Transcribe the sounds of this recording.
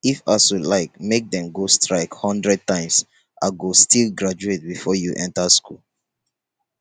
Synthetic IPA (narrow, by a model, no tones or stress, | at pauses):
ifasulaɪkmek̚dɛ̃mɡostʰɹaɪkhɔ̃ndɹɛd̚tãɪ̃ms | ʔa̰ɡostʰilɡɹad͡ʒuet̚bifɔjuʔɛ̃ntəskʰṵl